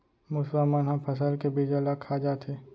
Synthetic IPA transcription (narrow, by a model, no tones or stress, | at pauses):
mʊswamənɦɐ̃mpʰɐs̬əlkebiːd͡ʒalakʰad͡ʒaːt̪e